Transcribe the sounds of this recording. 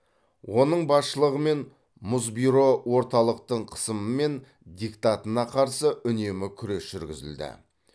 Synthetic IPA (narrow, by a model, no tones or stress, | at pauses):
wo̞nəɴbɑsʃəlˠəʁəme̞n | mʊzbijɾo̞wo̞ɾt̪ɑlˠəq̚t̪əɴqʰə̥səməme̞n | d̪ʲikt̪ɑt̪ənɑqʰɑɾsəʔʏne̞mɪkʲʰʏɾe̞sʒ̥ʏɾɡʲɪ̰zɪ̰ld̪ɪ̰